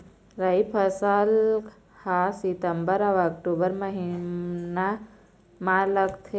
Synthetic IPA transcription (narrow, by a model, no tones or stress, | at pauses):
ɾɐipʰɐsəl | hasit̪əmbəɾɐʋɐk̚ʈuːbəɾmɐɦina | maləkt̪ʰe